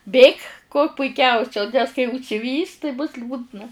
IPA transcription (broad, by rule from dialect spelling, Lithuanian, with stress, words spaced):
ˈbʲeːk kuɔ pʊɪˈkʲɛʊsʲɛ nʲɛs kɐɪ ʊʃʲsʲɪˈʋʲiːs tɐɪ bʊs ˈlʲuːdnɐ